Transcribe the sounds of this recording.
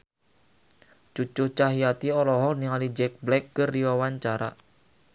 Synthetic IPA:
t͡ʃut͡ʃʊt͡ʃaɦijat̪iɔlɔɦɔkniŋalid͡ʒɛk̚blɛkːəriwawaɲt͡ʃaɾa̰

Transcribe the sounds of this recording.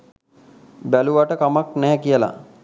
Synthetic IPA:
bæluʋaʈəkamaknɛːkijəla̰

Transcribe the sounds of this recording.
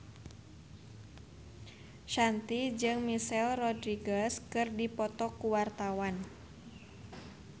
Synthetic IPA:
ʃant̪id͡ʒɨŋmisɛlrɔdɾiɡaskɨrdipɔt̪ɔkuwart̪awan

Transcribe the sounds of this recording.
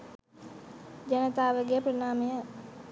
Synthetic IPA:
d͡ʒɐnət̪aːʋəɡejəpɾɐnaːmejə

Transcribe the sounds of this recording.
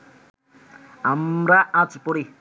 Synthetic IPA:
amɾaãtipoɾi

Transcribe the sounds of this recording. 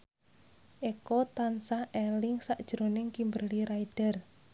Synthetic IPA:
ʔekɔt̪ansahʔɛlɪŋsaʔd̥ʒ̥ɾo̤nɪŋkimbəliɾaid̥ə̤r

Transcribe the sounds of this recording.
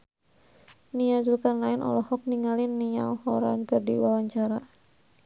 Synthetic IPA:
niad͡ʒukanlaɪnʔɔ̰lɔhɔk̚niŋalɪnːia̰ɔhɔɾa̰nkərdiwawaɲt͡ʃaɾa

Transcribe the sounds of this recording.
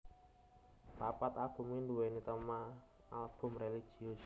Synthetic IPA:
papat̪aɡ̥ṳminduwenit̪əma | alb̥ʊ̤mreliɡ̥iʊs

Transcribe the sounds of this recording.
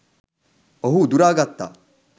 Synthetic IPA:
oɦud̪uɾaːɡɐt̪ːa̰

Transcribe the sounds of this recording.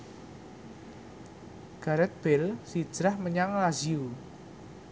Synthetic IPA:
ɡ̥aɾət̪̚b̥ɛlsi̥ʒ̥ɾahməɲaŋlaziu

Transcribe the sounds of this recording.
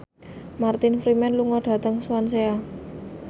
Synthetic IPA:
mart̪ɪnfɾimɛnluŋɔɖ̥ä̤t̪əŋswansea

